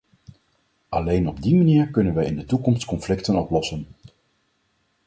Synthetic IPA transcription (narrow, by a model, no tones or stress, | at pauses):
ʔɑlejnɔb̚dimaniːɹkɵnənʋɛjɪndətukɔmstkɔnflɪktənɔplɔsən